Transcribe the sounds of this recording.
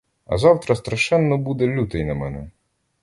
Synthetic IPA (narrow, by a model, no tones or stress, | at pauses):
ɐ̰zɑwt̪ɾɐst̪ɾɐʃɛnːɔbud̪ɛlʲut̪ɛjnɐmɛnɛ